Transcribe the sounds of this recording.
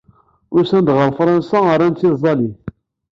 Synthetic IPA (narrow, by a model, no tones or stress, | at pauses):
ʊɾsænd̪ʁəɾˤfɾˤɑnsaəɾˤːænt͡s̪ːizˤːɑliθ